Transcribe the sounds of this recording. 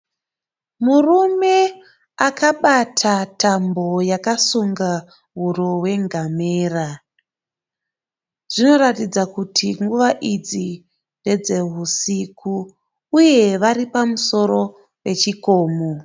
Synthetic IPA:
murume̞ | akaɓatʰatʰambo̞jakasuŋɡa | ɦuroɦwe̞ŋɡameːra | ʐ̥ino̞ratid͡zakutʰiŋɡuʋaʔid͡zi | nde̞d͡ze̞ɦusikʰuː | je̞ʋaripamuso̞ɾo̞ | pe̞t͡ʃiko̞ːmo

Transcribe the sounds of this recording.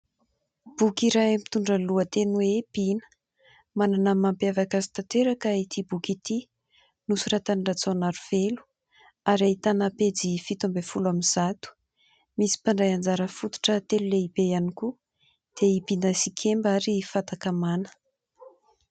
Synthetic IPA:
b̥ukiɾaamit̪uɳɖ͡ʐəluət̪enweb̥inə̥ | mananəmampjavakazi̥t̪at̪eɾakəit̪ibukit̪i | nusurat̪anirat͡sonaɾuv̥elu̥ | aɾait̪anaped͡zifit̪umbefulaminz̥at̪u̥ | misi̥paɳɖ͡ʐajand͡zaɾəfut̪u̥ʈ͡ʂət̪eluleibejaniku | d̪̥eibinəsikʲʰembaɾifat̪akamanə̥

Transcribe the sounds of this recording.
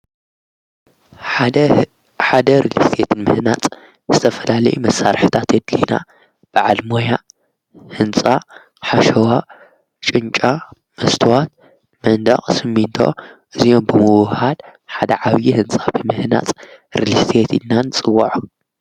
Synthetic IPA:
ħad̪ɐɾilḭst̪ʰet̪ʰɨnmɨhnat͡sʼ | zɨt̪ʰɐfɐlalɐjumɐsːaɾħɨt̪ʰat̪jɛd̪lina̰ | b̥ɨʕalmoja | hɨnt͡sʼa | ħaʃɐwa | t͡ʃʼɨnt͡ʃʼa | mɐst̪ʰɨwat̪̚ | mɐnd̪ɐχʼsɨmːint̪ʰo̞̰ʔɨzijo̞mbɨmɨwhalħad̪ɐʕaβjihɨnt͡sʼabɨmɨhna̰t͡sʼɾilist̪ʰet̪ɨnːanɨt͡sʼɨwːɐʕu

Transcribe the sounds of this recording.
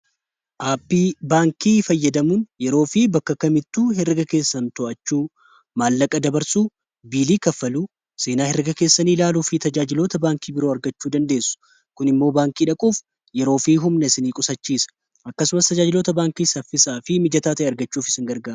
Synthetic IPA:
ʔaːpːiːbaːŋkiːfɐjːɐd̪ɐmuːnjɛɾo̞ːfibɐkːɐkɐmɪt̪ːuːɦɛrɡɐke̞ːsːɐnt̪ɔʔɐt͡ʃːuː | maːlːɐkʼɐd̪ɐbɐɾsuː | biːliːkɐfːɐluː | se̞ːnaːhɛɾɪɡɐke̞ːsːɐniːlaːlufiːt̪ɐd͡ʒaːd͡ʒɪlo̞ːt̪ɐbaːŋkiːbɪɾo̞ːɐɾɡɐt͡ʃːuːd̪ɐnd̪e̞ːsːʊ̥ | kʊnɪmːo̞ːbaːŋkiːᶑɐkʼuːf | jɛɾo̞ːfiːɦʊmnɐsɪniːkʼʊsɐt͡ʃːiːsɐ̥ | ʔɐkːɐsʊmɐst̪ɐd͡ʒaːd͡ʒɪloːt̪ɐbaːŋkiːsɐfːɪsaːfɪmɪd͡ʒɐt̪aːt̪ɐʔeɐɾɡɐt͡ʃːuːfɪsɪŋɡɐɾɡaːɾ

